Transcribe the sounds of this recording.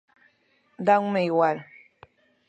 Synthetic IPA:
daŋmejwal

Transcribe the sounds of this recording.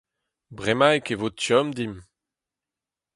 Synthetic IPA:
bʁemaekevot̪jɔmd̪im

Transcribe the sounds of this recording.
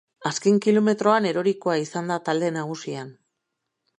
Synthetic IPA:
aske̞ŋkilo̞me̞t̪ɾo̞ane̞ɾo̞ɾikoaisand̪at̪ald̪e̞naɣusian

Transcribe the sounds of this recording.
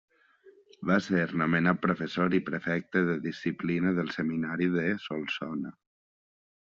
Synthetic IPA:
βaseɾnumənat̪̚pɾofəsoɾipɾəfɛk̚t̪əðəðisiplinəðəlˠsəminaɾiðəsolˠsɔnə

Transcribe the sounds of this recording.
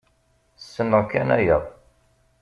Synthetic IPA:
sːənːəʁkːænæjəðˤ

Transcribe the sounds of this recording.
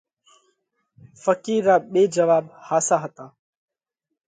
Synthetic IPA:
fəkiːɾːaːɓeːd͡ʒəʋaːbhaːsaːɦət̪aː

